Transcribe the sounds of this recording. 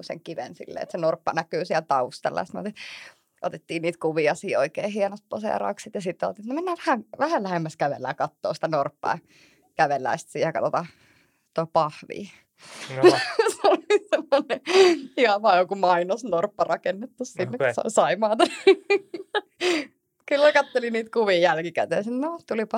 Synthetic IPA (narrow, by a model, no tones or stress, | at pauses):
usḛŋkiʋḛnsḭlːḛːt̪senorpːɑnækyːsiɛlt̪ɑust̪ɑ̰lːɑ̰jsmo̰t̪i | ʔot̪et̪ːiːnniːt̪kuʋiɑsiːoikeːhienost̪̚posḛrɑ̰kssit̪jɑsit̪ːeo̰lt̪iːet̪nomenːæːʋæhæŋʋæhællæhemːæskæʋḛlːˑæ̰ːkɑt̪ːo̰ːsi̥t̪ænorpːɑ̰ː | kæʋelːæ̰ist̪siːhækɑt̪ot̪ɑ | t̪ːoipɑhʋḭː | solisemːoneihɑʋɑːjokumɑinosnorpːɑrɑkenːet̪ːussinːekkusɑ̰sɑimɑːt̪ɑn | kylːækɑt̪ːeliniːt̪kuʋiːjælkikæ̰t̪ḛːnsit̪not̪ulipɑ